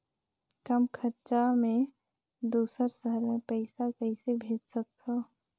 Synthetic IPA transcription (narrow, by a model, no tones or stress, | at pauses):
kəmkʰət͡ʃamẽ | d̪uːsəɾsəɦəɾmepəɪsakəɪsebʱeːt̪sək̚t̪ʰo